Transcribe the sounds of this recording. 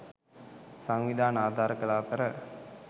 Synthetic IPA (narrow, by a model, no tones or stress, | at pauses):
saŋʋid̪ʱaːnaːd̪ʱaːɾəkɐɭaːt̪ɐɾə